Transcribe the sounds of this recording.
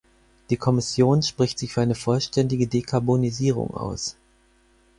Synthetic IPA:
d̥iːkʰɔmɪsjoːnʃpʁ̥ɪçtz̥ɪçfyːɐaɪnəfɔlʃtɛndɪɡədeːkʰaɐboniziːʁ̞ʊ̰ŋa̰ʊs

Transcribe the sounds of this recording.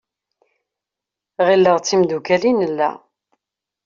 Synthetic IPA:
ʁilːəʁt͡sːimd̪ukælinəlːæ̰

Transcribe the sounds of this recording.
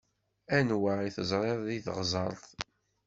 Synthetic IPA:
ænwaiθəzˤɾˤeðˤðiθʁzˤɑ̰ɾˤθ

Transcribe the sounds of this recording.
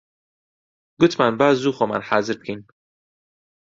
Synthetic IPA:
ɡʊt̪ʰmanbaːzzuχoma̰nhaːzɪɾt̪̚kʰin

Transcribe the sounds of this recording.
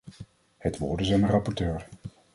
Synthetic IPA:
hətʋo̰ːɹdəzɛjndərɑpɔɹtøːɹ

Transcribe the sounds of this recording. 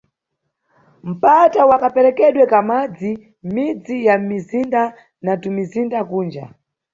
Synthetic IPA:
m̩patawakapɛɾɛkɛɗwɛkamad͡zi | mid͡zijamizinda | natumizindakuːnd͡ʒa̰

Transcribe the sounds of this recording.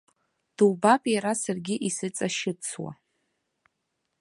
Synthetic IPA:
d̥ubapʼjaɾasarɡʲɪʔisɨt͡sʼaʃɪt͡sʰwa̰

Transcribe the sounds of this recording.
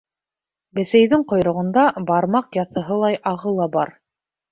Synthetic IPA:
bɘ̆sæjðɘŋqŏjɾŏʁɤ̆nd̪ɑbɑɾmɑqjɑθɤ̆ɦɤlˠɑjʔɑʁɤlˠɑbɑɾ

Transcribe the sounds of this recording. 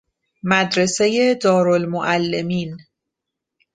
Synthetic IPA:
mæd̪ɾe̞se̞je̞d̪ɒːɾo̞lmoʔælːe̞miːn

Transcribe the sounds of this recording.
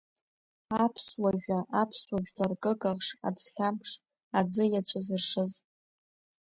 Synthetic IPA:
apʰswaʒᶣaʔapʰswaʒᶣlarkʼɨkʼaʁʂa̰d͡zɬʲampʰʂ | ad͡zɨjat͡ɕʷʰazɨrʂɨz

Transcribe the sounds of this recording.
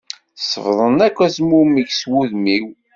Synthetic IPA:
sˤəvðˤənækʷːæsmumiʝswuðmiw

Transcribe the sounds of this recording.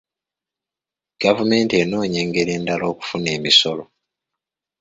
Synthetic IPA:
ɡ̥avume̞ːnteno̞ːɲe̞ːŋɡe̞ɾe̞ːndalo̞ːku̥fune̞ːmiso̞lo

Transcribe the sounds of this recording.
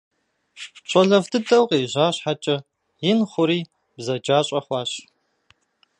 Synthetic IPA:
ɕʼɐɮɐvdʰɨdɐwqʼeːʑaːɕħat͡ʃʼɐ | jɪnχʷʊɾiː | bzɐd͡ʒaːɕʼɐχʷɑːɕ

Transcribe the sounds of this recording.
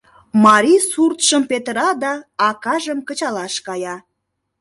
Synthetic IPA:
mɑɾisurt̪ʃəmpet̪əɾɑd̪ɑɑkɑʒəmkət͡ɕɑlɑʃkɑjɑ

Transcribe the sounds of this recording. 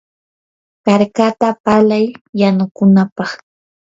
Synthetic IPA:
kaɾkat̪apalajːanʊkʊnapɑχ

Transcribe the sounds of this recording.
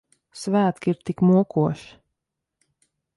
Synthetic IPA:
svæːt̪kʲiɾt̪ikmuɔkuɔʃi̥

